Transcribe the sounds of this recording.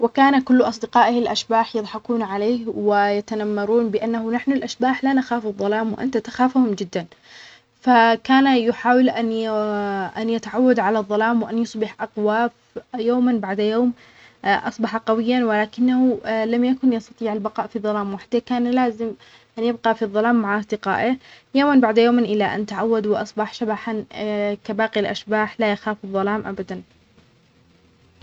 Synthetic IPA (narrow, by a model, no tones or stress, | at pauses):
wɪkaːnakʊlːʔɑsˤd̪ɪqɑːʔɪhɪlʔaʃbaːħjɨðˤħɑkuːnʕaleːhwɪjat̪anamːɑɾˤuːnbɪʔanːahʊnaħnalʔaʃbaːħlanaxaːfɨðˤːɑlaːmwɪʔa̰nt̪at̪axaːfhʊmd͡ʒɪd̪ːan | fakaːnajʊħaːwɪlʔan | ʔanjɪt̪aʕawːad̪ʕalaðˤːɑlaːmwɪʔanjʊsˤbɪħʔaqwaːf | joːmanbaʕd̪joːm | ʔɑsˤbɑħɑqɑwɪjːanwɪlaːkɪnːahulamjakʊnjɑst̪ɑt̪ˤiːʕɪlbɑqɑːʔfiðˤːɑlaːmwaħd̪ekaːnlaːzɪm | ʔanjɪbqɑfiðˤːɑlaːmːaʕʔɑsˤd̪ɪqɑ̰ːʔɪjoːmanbaʕd̪joːmnʔɪlːaʔa̰nt̪aʕawːad̪wɪʔɑ̰sˤbɑħʃabaħankabaːqilʔa̰ʃbaːħlajaxaːfɨðˤːɑlaːmʔabad̪an